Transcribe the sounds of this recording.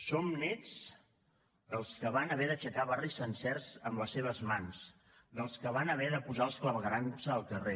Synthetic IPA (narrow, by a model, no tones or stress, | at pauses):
somnɛd͡z | d̪əlˠskəβanəβɛðət͡ʃəkaβarisənsɛrzəmləsːeβəzmans | d̪əlˠskəβ̞anəβ̞ɛðəpuzalˠskləβəɣɾansəːlˠkəre